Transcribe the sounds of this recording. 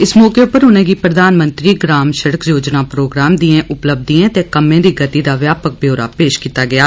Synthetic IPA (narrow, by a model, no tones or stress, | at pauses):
ɪsmɔːkeːʊpəɾɦʊnɛ̃ːɡiːpɾəd̪aːnmə̃nt̪ɾiːɡɾaːmʃəɽəkjoːd͡ʒnaːpɾoːɡɾaːmd̪iẽːʔʊpləb̚d̪iẽːt̪eːkəmẽːd̪iːɡət̪iːd̪aːʋjaːpək̚bjoːɾa̰ːpeːʃkiːt̪aːɡɪjaː